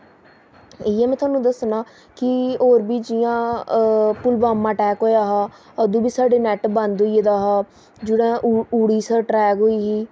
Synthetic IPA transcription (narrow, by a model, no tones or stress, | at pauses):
ɪːɛːmɛ̃ːt̪ʰʊwaːnũːd̪əsnaː | kɪoːɾbiːd͡ʒɪjãː | pʊlbaːmãːʈɛːkɦoːjaːɦaː | əd̪ũːbiːsaːɖeːnɛʈbə̃nd̪oiːed̪aːɦaː | d͡ʒɪɽɛ̃ːʔuːɽiːsəɾʈɾɛːkɦoːiːɦiː